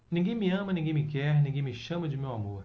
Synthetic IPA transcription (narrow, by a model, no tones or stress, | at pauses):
nĩɡẽj̃miɐ̃mɐnĩɡẽj̃mɪkɛɾnĩŋɡẽj̃mɪʃɐ̃mɐd͡ʒɪmewamoɾ